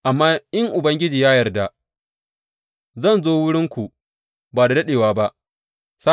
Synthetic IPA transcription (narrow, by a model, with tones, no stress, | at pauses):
ʔa˨mːaː˦ʔɪ˦ŋʔʊ˨bɐ˦ŋɡʲɪ˦d͡ʒiː˨jaː˦jɐ˨rda˨ | zɐ˦˨nzoː˦wʊ˦ɽɪ˦ŋkʷu˨ | baː˨da˨dɐ˦ɗeː˨waː˨ba˦ʔ | sa˦